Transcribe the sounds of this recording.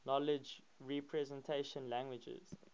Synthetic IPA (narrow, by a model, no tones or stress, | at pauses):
nɔlɪd͡ʒ | ɹipʰɹɛzɛ̃ntʰeʃə̃nlæ̃ŋɡwɪd͡ʒɪ̰z̥